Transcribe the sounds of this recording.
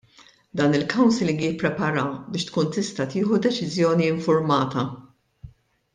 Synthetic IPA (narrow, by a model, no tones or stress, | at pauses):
d̪ɐːnɪlkɐwnsɪlɪŋɡijɪpːɾɛpɐɾɐbɪːʃt̪kuːnt̪ɪst̪ɐt̪ɪːħud̪ɛt͡ʃɪzjɔːniɪɱfʊɾmɐːt̪ɐ